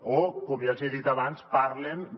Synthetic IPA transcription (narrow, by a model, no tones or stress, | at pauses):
okoβiaseðit̪aβanspaɾlen